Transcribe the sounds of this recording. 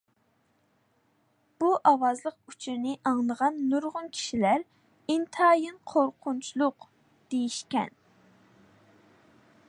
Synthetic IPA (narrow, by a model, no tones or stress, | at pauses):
b̥uʔɑwɑzlˠəq̚yt͡ʃʰiɾnɪʔɑŋlˠəʁɑnːuɾʁʊnkʲʰi̥ʃilæɾ | int̪ʰɑjɨnqʰoɾqʰunt͡ʃʰulˠʊq | d̪̥ejiʃkʲɛ̰n